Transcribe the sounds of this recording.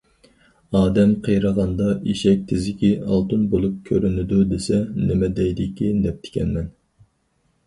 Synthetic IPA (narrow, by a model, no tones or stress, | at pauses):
ɑːd̪ɛmqʰejɾəʁɑnd̪ɑiʃɛk̚ʲt̪ʰɪzɪkʲiɑ̰lˠt̪unbolˠup̚kʲʰøɾynɪd̪ud̪esɛnɪmɛd̪ɛjd̪ɪkʲid̪ɛp̚t̪ʰɪ̥kʲʰɛ̰nmɛn